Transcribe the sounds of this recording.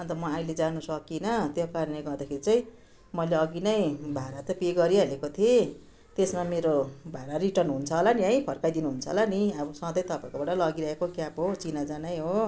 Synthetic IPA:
ʌnt̪ʌmʌailed͡zanusʌkinʌt̪jokaɾʌneɡʌrd̪akʰeɾit͡saĩ | mʌjleʌɡinʌjbʱaɾaʌpeɡʌɾiɦʌlekot̪ʰie | t̪esmameɾobʱaɾaɾiʈʌrnɦunt͡sʰʌɦolaniʌj̃pʰʌrkajd̪inuɦunt͡sʰʌ̰laniʌbʌsʌ̃d̪ʌjt̪ʌpãĩkobaʈʌlʌɡiɾʌɦekokjapɦot͡sinad͡zanajɦo

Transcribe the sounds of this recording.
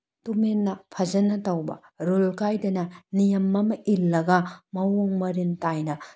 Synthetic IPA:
tumenːɐpʰɐzɐnɐtɐwbɐ̰ | ɾolkajdɐnɐnijɐmːɐmɐʔilːɐɡɐmɐwoŋmɐɾintajnɐ

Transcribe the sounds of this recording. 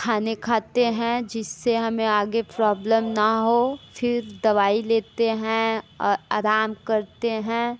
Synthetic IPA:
kʰaːnekʰaːt̪eɦɛ̃d͡ʒɪsːeɦɐmẽaːɡepɾɔːbləmnɐɦofɪɾd̪ɐʋaːileːt̪eɦɛ̃a̰ːɾaːmkɐɾt̪eɦɛ̃ː

